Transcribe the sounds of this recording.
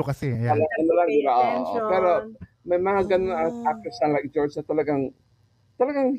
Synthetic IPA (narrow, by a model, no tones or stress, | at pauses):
okɐsɛalɐɐnɐlaŋɪbaʔoʔʔpɛːɾo | mɐjmɐŋaɡɐnonɐap̚t̪ɛsanlajk̚d͡ʒɔɹd͡ʒɐt̪ɐlɐɡaŋ | t̪ɐlɐɡaŋ